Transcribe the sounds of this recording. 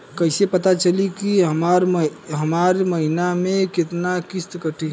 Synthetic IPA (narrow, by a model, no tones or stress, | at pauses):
kəɪsepət̪at͡ʃəlikiɦəmaɾɦəmaɾməɦinamẽket̪nakist̪kəʈʰi